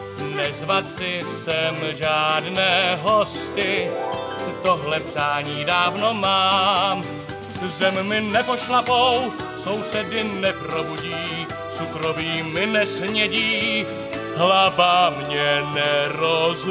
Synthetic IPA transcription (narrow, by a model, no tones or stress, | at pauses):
nɛzvat͡sɪsɛmʒaːdnɛːɦo̞st̪ɪ | t̪o̞ɦlɛpr̥aːɲiːdaːvno̞maːm | zɛmmɪnɛpo̞ʃlapo̞w | so̞wsɛdɪnɛpɾo̞buɟiː | t͡sukɾoviːmɪnɛsɲɛɟiː | ɦlabamɲɛnɛɾoz